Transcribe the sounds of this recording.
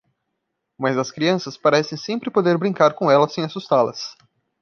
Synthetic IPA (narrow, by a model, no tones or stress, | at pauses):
mɐzɐskɾiɐ̃sɐspaɾɛsẽj̃sẽmpɾɪpod̪eɾbɾĩŋkaɾkõɛlɐsẽj̃asust̪alɐ̰s